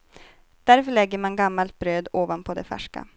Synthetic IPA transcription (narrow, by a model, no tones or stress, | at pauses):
d̪̥æɾfœɭɛɡːəɾmanɡamːalt̪̚bɾøːd̪oːvanpʰɔd̪ɛfæ̰ʂka̰